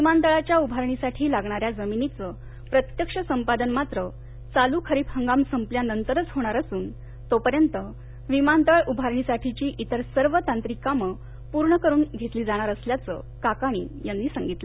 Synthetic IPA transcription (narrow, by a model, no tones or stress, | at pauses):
ʋimant̪əɭat͡ɕjaubʱaɾɳisaʈʰiːlaɡɳaɾjad͡zəminit͡sə | pɾət̪jəkʂəsəmpad̪ənmat̪ɾə | t͡salukʰəɾiːphəŋɡamsəmpljanənt̪əɾət͡sɦoɽ̃aɾəsuːn | t̪opəɾjənt̪ə | ʋimant̪əɭubʱaɾɳisaʈʰit͡ɕiːʔit̪əɾsəɾʋət̪ãnt̪ɾikamə | puɾɳəkəɾuːnɡʱet̪liːd͡zaɽ̃aɾəsljat͡sə̰ | kakaɽ̃ḭːjanːiːsəŋɡit̪lə